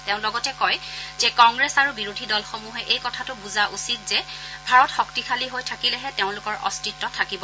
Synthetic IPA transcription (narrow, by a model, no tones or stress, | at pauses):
teʊ̃lɔɡɔtɛkɔjzɛkɔŋɡɹesaɹubiɹodʱidɔlxɔmuɦɛʔejkɔtʰatʊbuzaʔusit̚z̥ɛbʱaɹɔtxɔktikʰaliɦojtʰakilɛɦɛteʊ̃lʊkɔɹʔɔ̰stitːɔtʰakibɔ